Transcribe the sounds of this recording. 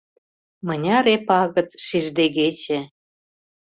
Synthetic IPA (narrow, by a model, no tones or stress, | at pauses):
mɤ̆nʲɑɾepɑɣə̆t̪ʃiʒd̪eɣet͡ɕĕ